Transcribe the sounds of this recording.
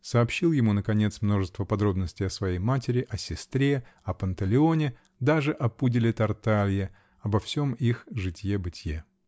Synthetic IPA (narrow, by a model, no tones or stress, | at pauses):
səɐːpɕːilˠjɪmunəkɐnʲe̞t̪smno̞ʐɨst̪vəpɐd̪ɾo̞bnəsʲtʲɪjɐsvɐjejmatʲɪɾʲɪʔɐsʲɪst̪ɾʲe̞ɐpənt̪əlʲɪo̞nʲɪ | d̪aʐɨʔɐpudʲɪlʲɪt̪ɐrt̪alʲjɪ | ɐbɐfsʲo̞mixʐɨtʲjebɨtʲje